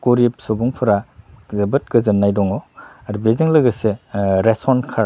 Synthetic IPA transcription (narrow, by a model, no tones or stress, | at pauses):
koɾip̚sobuŋpʰɐɾazɐbɯt̚ɡɯzɯnːajdɔŋɔ | ɾbezɯŋlɐɡɐseɾespɔnkʰaɾ